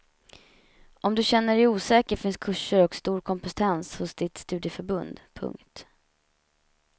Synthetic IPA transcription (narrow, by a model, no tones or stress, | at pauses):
ʔɔmd̪ɵɕɛnːəɖɛjuːsɛːkəɾfɪnskʰɵʂːəɾɔkst̪uːɾkʰɔmpɛst̪ʰɛnshʊsd̪ɪt̪st̪ʉ̟ːd̪jəfœɾbɵnd̪pʰɵ̰ŋkt̪